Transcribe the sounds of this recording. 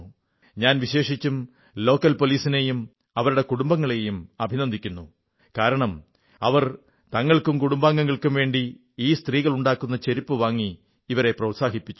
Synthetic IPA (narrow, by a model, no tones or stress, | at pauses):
ɲaːnʋiɕe̞ːʂit͡ɕːum | lo̞ːkːɐlpo̞liːsine̞jum | ɐʋɐɾuɽe̞kuɽumbɐŋːɐɭe̞jumɐbʱinɐnd̪ʱikʲːunːu | kaːɾɐɳɐm | ɐʋɐr | t̪ɐŋːɐɭkumkuɽumbaːŋːɐŋːɐɭkumʋe̞ːɳɖi | iːst̪riːɣɐɭuɳɖaːkːunːɐt͡ɕe̞ɾipːɨʋaːŋːiː | ʋɐɾe̞prɐwt̪saːɦipːit͡ɕːu